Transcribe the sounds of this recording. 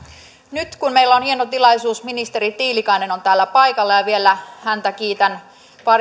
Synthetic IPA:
nyt̪kunmeilːæonhienot̪ilɑjsuːsminist̪e̞ɾit̪iːlikɑineno̞nt̪æːlːæpɑjkɑlːɑjɑʋielːˑæhænt̪ækiːt̪æn | ʋɑr

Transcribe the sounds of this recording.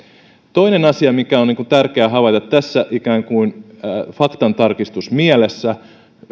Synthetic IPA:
t̪o̞inenɑsiɑmikæoniːŋkunt̪ærkeæɦɑʋɑt̪ɑt̪ːæsːæʔikæːŋkuin | fɑkt̪ɑnt̪ɑrkist̪usmiælesːæ

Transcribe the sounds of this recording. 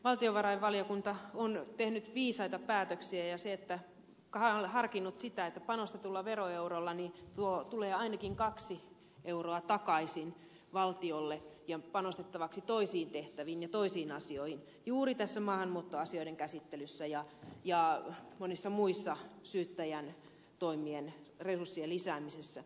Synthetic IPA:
ʋɑlt̪ioʋɑrɑiʋʋɑlijokunt̪ɑont̪ehnyt̪ʋiːsɑit̪ɑpæːt̪øksiæjɑseet̪ːæ | khɑlhɑrkinːut̪sit̪æet̪ːæpɑnost̪et̪ulːɑʋeroeurolːɑnit̪uot̪uleːɑinɑkiŋkɑksi | ʔeuroɑt̪ɑkɑisin | ʋɑlt̪iolːejɑpɑnost̪et̪ːɑʋɑksit̪oisiːnt̪eht̪æʋiːnjɑt̪oisiːnɑsioihin | juːrit̪æsːæmɑːhɑnmuːt̪ːoɑsioiɾeŋkæsit̪ːelysːæjɑjɑmonisːɑmuisːɑsyːt̪ːæjæn | t̪oimien | resursːielisæːmisesːæ

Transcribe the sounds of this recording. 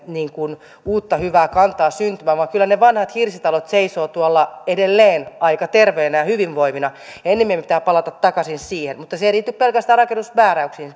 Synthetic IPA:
niːŋkun | uːt̪ːɑhyʋæːkɑnt̪ˑɑːsynt̪ymæːʋɑŋkylːæneʋɑnhɑt̪hirsit̪ɑlot̪seisoːt̪uɑlːɑedelːeːnɑikɑt̪erʋeːnæjɑhyʋiʋʋoiminɑenːemiempit̪æːpɑlɑt̪ɑt̪tɑkɑsinsiːhenmut̪ːɑseiriːt̪ːyppelkæst̪æːrɑkenːusmæːræyksiːn

